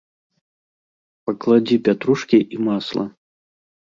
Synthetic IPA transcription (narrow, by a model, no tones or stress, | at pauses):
pɐklˠad͡zʲipʲat̪ɾuʂkʲiʔimaslˠɐ̰